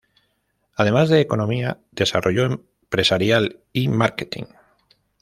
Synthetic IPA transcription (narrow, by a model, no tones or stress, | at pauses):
að̞e̞mazðeːko̞nõ̞mia | ðe̞sarʔoʝoem | pɾesaɾjalimaɾket̪ḭŋ